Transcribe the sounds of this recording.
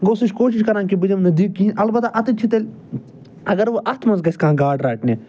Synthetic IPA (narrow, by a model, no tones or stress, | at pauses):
ɡoːsiʃkoːʃiʃkɐɾãːnkibɨd͡ʒɐmnɐd̪iːk̚kːinʔɐlbɐt̪aʔɐt̪itt͡ʃʰit̪ɐlʲ | ɐɡɐɾʋoʔɐt̪ʰmɐnzɡɐsʲkãːɡaːɖɾaːʈneː